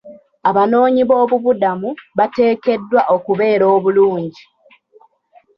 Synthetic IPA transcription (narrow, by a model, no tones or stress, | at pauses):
aβano̞ːɲiβo̞ːβuβudamuβate̞ːke̞dːwaʔo̞kuβe̞ːɾo̞ːβuluːɲɟi